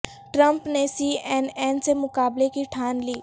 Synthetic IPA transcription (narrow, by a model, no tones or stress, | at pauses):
ʈɾə̃mpnesiːɛːnɛːnsemʊkaːblekiʈʰaːnliː